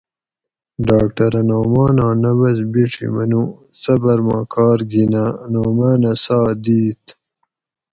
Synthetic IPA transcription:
ɖaːkʈɐɾɐnaːmaːnaːnɐbɐzbiʈ͡ʂʰḭmɐnusɐbɐɾmãːkaːɾɡinanoːmaːnasaːd̪iːt̪

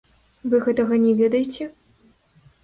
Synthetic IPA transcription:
vɨɣɛt̪ɐɣɐnʲɛvʲɛd̪ɐjet͡sʲɛ

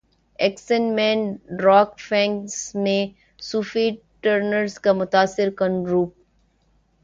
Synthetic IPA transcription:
ɛksənmɛ̃ːnɖɾɔːkfɛ̃ːŋksmẽ | suːfi | ʈəɾnəɾzkamʊt̪aːsɪɾkə̃nɾuːp̚

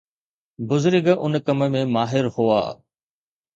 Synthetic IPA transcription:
bʊzʊɾɡʔʊnkɐmə̆mẽmaːɦɪɾhua̰ː

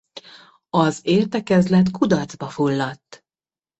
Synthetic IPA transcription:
ɒzeːrt̪ɛkɛzlɛt̪kud̪ɒrd̪zbɒfulːɒt̪ː

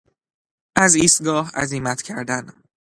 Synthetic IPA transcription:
ʔæziːst̪̚ɡɒːhæ̰ziːmæt̪ʰcʲʰæɾd̪æn

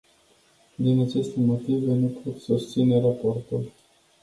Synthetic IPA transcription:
d̪inat͡ʃe̞st̪e̞mo̞t̪ive̞nupot̪sust̪sine̞ɾaport̪ul

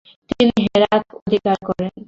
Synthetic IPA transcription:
t̪iniɦeɾat̪ʰod̪ʱikaɾkɔɾen

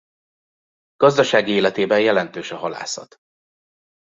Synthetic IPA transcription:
ɡ̥ɒzd̪ɒʃaːɡieːlɛt̪eːbɛjjɛlɛn̪t̪øːʃɒɦɒla̰ːsɒ̰t̪

